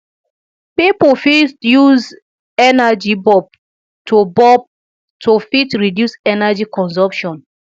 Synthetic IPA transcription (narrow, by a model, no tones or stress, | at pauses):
pipofistjuz | ɛnad͡ʒibɔb̚ | tʰubɔb̚ | tʰofitɹidjusɛnad͡ʒikɔ̃nsɔ̃mpʃɔ̃n